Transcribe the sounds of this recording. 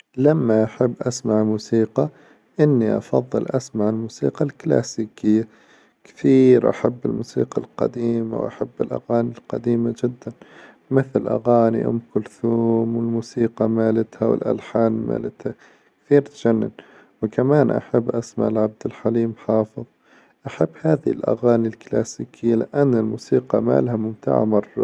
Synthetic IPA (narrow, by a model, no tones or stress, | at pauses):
lamːaʔaħabːʔasmaʕmuːsiːqɑ | ʔɪnːiʔɑfɑ̰ðˤːɨlʔasmaʕɪlmuːsḭːqɑlkla̰ːsiːkɪjːa | kt̪iːɾʔa̰ħabːɪlmuːsḭːqɑlqɑ̰d̪iːma̰wʔa̰ħabːɪlʔa̰ɣaːnilqɑd̪iːmad͡ʒɪd̪ːan | mɪθlʔa̰ɣaːniʔɪ̰mkʊlθuːmwɪlmuːsiːqɑmaːlat̪hawɪ̰lʔa̰lħaːnma̰ːlɪt̪ha | kθiːɾt̪d͡ʒanːɪn | wkamaːnʔa̰ħabːʔasma̰ʕlʕab̚d̪ɪlħaliːmħɑːfɨðˤ | ʔaħabːhaːðɪɪlʔa̰ɣaːnilklaːsiːkʰɪjːalɪʔanːɪlmuːsiːqɑma̰ːlhamʊmt̪a̰ʕa̰mɑrˤːɑ̰